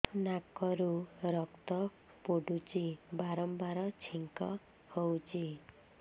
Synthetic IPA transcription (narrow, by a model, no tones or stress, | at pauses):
nakɔɾuɾɔkt̪ɔ | poɖut͡ʃibaɾɔmbaɾɔt͡ʃʰiŋkɔ | howt͡ʃʰi